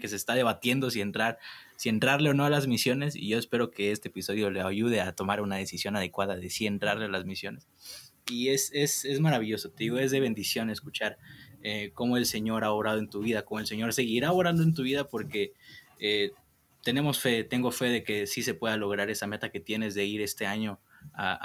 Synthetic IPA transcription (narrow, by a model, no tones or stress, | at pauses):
keseːst̪aðe̞β̞at̪je̞nd̪o̞sient̪ɾaɾsie̞nt̪ɾaɾleono̞lazmisjo̞ne̞sḭʝo̞espe̞ɾo̞ke̞e̞st̪eepiso̞ðjo̞leaʝuð̞eat̪o̞maɾunað̞e̞sisjo̞nað̞e̞kwaðaðe̞sie̞nt̪ɾaɾlelazmisjo̞nesie̞se̞se̞zmaɾaβiʝo̞so̞t̪e̞ðiɣo̞e̞zðe̞β̞e̞nd̪isjo̞ne̞skut͡ʃaɾeko̞mo̞e̞lse̞ɲo̞ɾaoɾað̞o̞e̞nt̪uβ̞iðako̞mo̞e̞lse̞ɲo̞ɾse̞ɣiɾaoɾand̪oent̪̬uβ̞iðapo̞ɾke̞ | e | t̪e̞ne̞mo̞sfe̞t̪e̞ŋɡo̞fe̞ðe̞ke̞sise̞pwe̞ðalo̞ɣɾaɾe̞same̞t̪ake̞t̪je̞ne̞zðe̞iɾe̞st̪e̞aɲo̞ | a̰